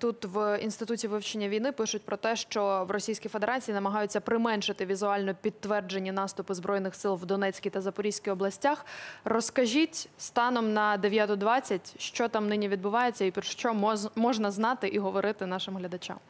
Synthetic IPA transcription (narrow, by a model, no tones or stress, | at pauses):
t̪ut̪ʋinst̪ɪt̪utʲiʋɪʋt͡ʃenʲːɐʋʲijnɪpɪʃʊt̚ʲpɾɔt̪ɛʃt͡ʃɔʋrɔsʲijsʲkʲijfed̪eɾɑt͡sʲijinɐmɐɦɑjʊt͡sʲːɐpɾɪmɛnʃɪt̪ɪʋʲizʊɑlʲnɔpʲit̪ːʋɛrd͡ʒe̞nʲːinɑst̪ʊpʊzbɾɔjnɪxsɪlˠʋd̪ɔnɛt͡sʲkʲit̪ɐzɐpɔɾʲijʲsʲkʲiɔblˠɐsʲtʲaxrɔskɐʒʲitʲst̪ɑnɔmnɐd̪eʋʲjat̪ʊd̪ʋɑt͡sʲːɐtʲʃt͡ʃɔt̪ɑmnɪnʲiʋʲid̪̚bʊʋɑjet͡sʲːɐipʲʃt͡ʃɔmɔʒnɐznɑt̪ɪʔiɦɔʋɔɾɪt̪ɪnɑʃɪmɦlʲɐd̪ɐt͡ʃa̰m